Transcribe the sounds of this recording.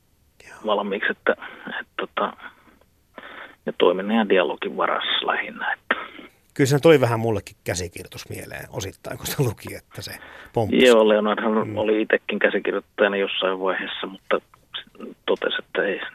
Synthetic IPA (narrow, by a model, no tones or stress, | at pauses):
joʋɑlɑmiːkset̪ːæet̪t̪ot̪ɑ | net̪o̰ˑiminejɑndiɑlo̰kiʋʋɑ̰rɑ̰slæ̰hinːɑet̪ːæ̥ | kylsenyt̪oliʋæhæmmulːekːikkæsikirjot̪usmḭelḛːno̰sit̪ːɑˑiŋkost̪ælukiet̪ːæsepompjoːleonɑrhɑnoliit̪ekːiŋkæsikirjot̪ːɑjnɑjosːɑiʋʋɑiheːsːɑmut̪ːɑ | st̪ot̪ḛset̪ːæeˑi